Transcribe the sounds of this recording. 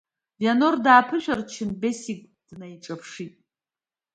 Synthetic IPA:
bjanordaːpʰɨʃᶣart͡ʃʰɪnbesikʼ | d̥najʈ͡ʂʼapʰʂitʼ

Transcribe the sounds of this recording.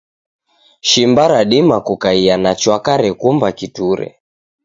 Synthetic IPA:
ʃimbaɾaɗimakukaianat͡ʃwakaɾɛkumbakituɾɛ̰

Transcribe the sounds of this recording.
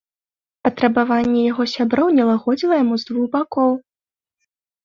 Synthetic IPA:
pɐt̪ɾɐbavanʲːɛjaɣɔsʲabɾɔwnʲɛlˠaɣɔd͡zʲilˠɐjamuzd̪vuɣbakɔw

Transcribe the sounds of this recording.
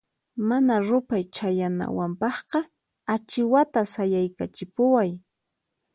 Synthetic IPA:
manaɾʊpajt͡ʃajana̰wampɑχqɑ | at͡ʃɪwat̪asajajkat͡ʃɪpʊwaj

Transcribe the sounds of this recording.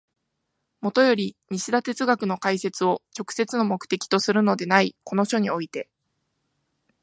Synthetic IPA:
mo̞t̪o̞jo̞ɾʲiɲ̟iɕid̪at̪e̞t͡sɨɡakɯ̟no̞kaise̞t͡sɨo̞t͡ɕo̞kɯ̟̥se̞t͡sɨno̞mo̞kɯ̟̥t̪e̞kʲi̥t̪o̞sɨɾɯ̟no̞d̪e̞naiko̞no̞ɕo̞ɲ̟io̞it̪e̞

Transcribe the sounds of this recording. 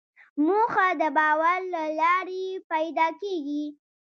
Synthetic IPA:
moxad̪əbɑwaɾlalɑɾepajd̪ɑkeɡi

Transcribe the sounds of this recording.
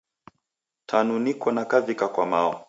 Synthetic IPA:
tʰanunikɔnakavikakwamaɔ̰

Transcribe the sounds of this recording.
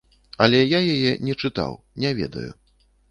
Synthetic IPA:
ɐlʲɛjajajɛnʲɛt͡ʂɨt̪a̰w | nʲɛvʲɛ̰d̪ɐ̰jṵ

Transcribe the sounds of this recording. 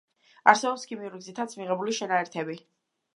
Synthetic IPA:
aɾsɛbɔpskʰimiuɾiɡzit̪ʰat̪sʰmiʁɛbuliʃɛnaɛɾt̪ʰɛbi

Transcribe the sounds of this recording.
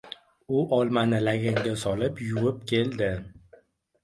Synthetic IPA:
ʊʔɒlˠmanɪlaɡʲaŋɡʲasɒlɪpjʊwɪp̚kʲʰe̞ld̪ɪ

